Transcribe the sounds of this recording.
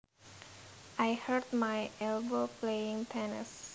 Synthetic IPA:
ajhəd̪majɛlbopleɪ̃ŋt̪ʰɛnɪ̰s

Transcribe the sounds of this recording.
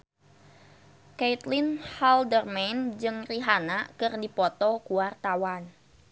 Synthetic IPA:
kejt̪linhaldərmend͡ʒɨŋriɦanakɨrdipɔt̪ɔkuwart̪awan

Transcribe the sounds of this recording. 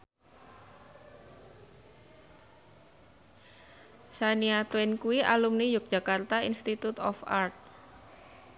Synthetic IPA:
saniat̪wɪnkuiʔalumnijʊk̚dd͡ʒ̥a̤kart̪ainst̪it̪ut̪ɔ̰fa̰rt̪̚

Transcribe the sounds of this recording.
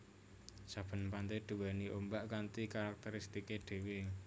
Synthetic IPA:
sab̥ə̤npant̪ed̪̥ṳwɛniʔombaʔkant̪ikaɾak̚t̪eɾist̪ikeɖ̪̥e̤we

